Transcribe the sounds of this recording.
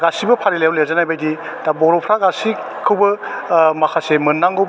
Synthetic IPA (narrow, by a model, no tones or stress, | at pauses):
ɡasibɐpʰaɾilewlezanajbajdi | d̥abɔɾowpʰɾaɡasi | kʰɯwbɐmakʰasemɯnːaŋɡɯw